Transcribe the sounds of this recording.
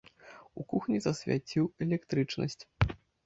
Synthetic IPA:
ukuxnʲizɐsʲvʲa̰t͡sʲiwɛlʲɛkt̪ɾɨt͡ʂnɐ̰sʲt͡sʲ

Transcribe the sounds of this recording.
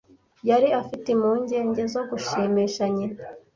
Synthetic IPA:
jaɾiafitemuːɲɟe̞ːɲɟe̞zo̞ɡuʃiːmiːʃaɲina

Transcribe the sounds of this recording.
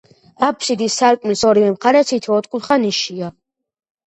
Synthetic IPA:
apʰʃid̪isːaɾkʼmilsɔɾivɛmχaɾɛt̪sʰit̪ʰɔːt̪ʼkʼulχaniʃia

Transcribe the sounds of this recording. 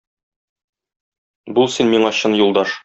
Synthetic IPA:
bulˠsinmiɴɑɕɤnjulˠd̪ɑʃ

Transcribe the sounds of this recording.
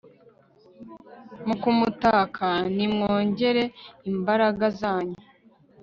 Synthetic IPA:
mukumutaːkʰanimŋoːɲɟe̞ɾe̞imbaɾaɡazaːɲu

